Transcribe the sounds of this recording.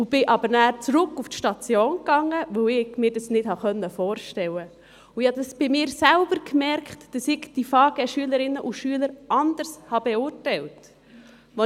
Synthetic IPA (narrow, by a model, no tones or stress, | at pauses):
ʊb̥ɪʔɑbəɾnæːɾt͡sɾʊkːuftʃtɑt͡sjoːnkɑŋːəʋœwɪɡ̥mɪːɾdɑsnɪthɑχœnːəfɔːɾʃtɛlə | ʊɪhɑdɑsb̥ɪmɪːɾsælb̥əɾkmɛɾkχtd̥ɑsɪɡd̥ifɑːɡ̥ɛʃyələɾɪnːəʔʊʃyələɾʔɑnd̥̪əɾshɑb̥ɛʊːrtæɪlt | ʋɔ